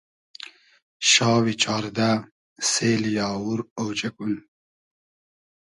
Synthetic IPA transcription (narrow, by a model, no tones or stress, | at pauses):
ɕɑːwit͡ɕɑːɾd̪a | seːljɑːwuɾowt͡ɕɐkun